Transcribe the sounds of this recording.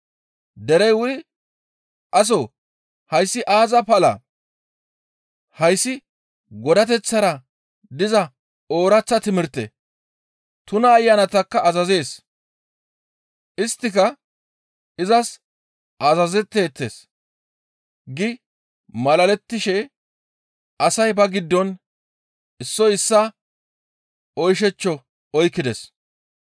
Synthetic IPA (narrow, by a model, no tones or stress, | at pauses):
d̪ɛɾɛjwʊd̪ɪ | ʔɐs̬o | hɐjsːɪʔaːzɐpɐlɐ̰ | hɐjsːɪ | ɡɔd̪ɐt̪ɛt͡sːɐɾɐ | d̪ɪzɐ | o̞ːɾɐt͡sːɐt̪ɪmɪɾt̪ːḛ | t̪ʊnɐːjːɐnɐt̪ɐkːɐʔːzɐze̞ːs | ʔɪst̪ːɪkɐ | ɪzɐs | ɐzɐzɛt̪ːe̞ːt̪ːḛːs | ɡɪ | mɐlɐlɛt̪ːɪʃɛ | ʔɐsɐjbɐɡɪd̪ːɔn | ɪsːɔjɪsːɐ | ɔjʃ̬ɛt͡ʃːɔ | ɔjkːɪd̪ɛs